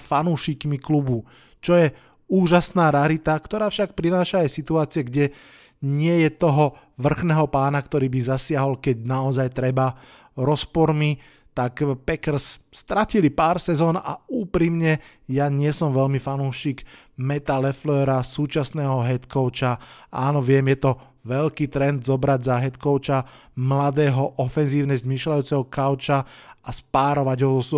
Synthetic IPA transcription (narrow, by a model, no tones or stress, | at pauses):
fanuːʃikmiklubu | t͡ʃɔjɛ | uːʒasnaːɾaɾit̪akt̪ɔɾaːfʃak̚pɾinaːʃaːjsit̪uaːt͡siɪɛɡɟɛ | ɲɪɛjɛt̪ɔɦɔ | ʋr̩xnɛːɦɔpaːnakt̪ɔɾiːbizasɪaɦɔlkɛɟnaɔzajt̪ɾɛba | ɾɔspɔɾmi | t̪akpɛkɾ̩sst̪ɾacilipaːɾsɛzɔːna̰uːpɾimɲɛ | jaɲɪɛsɔmʋɛʎmifanuːʃiɡ | mɛt̪alɛflɛːɾasuːt͡ʃasnɛːɦɔɦɛt̪kɔʊt͡ʃaʔaːnɔʋɪɛmjɛt̪ɔ | ʋɛʎkiːt̪ɾɛnd̪zɔbɾaɟzaɦɛt̪kɔʊt͡ʃa | mlad̪ɛːɦɔʔɔfɛnziːʊnɛzmiːʃlajuːt͡sɛɦɔkaʊt͡ʃaaspaːɾɔʋaɟɦɔzɔs